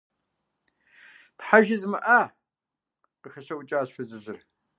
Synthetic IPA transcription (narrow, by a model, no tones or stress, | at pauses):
tħaʒɪzmɐʔɐ | qəxɐɕɐwʊt͡ʃʼaːɕʷʊzɨʑɪr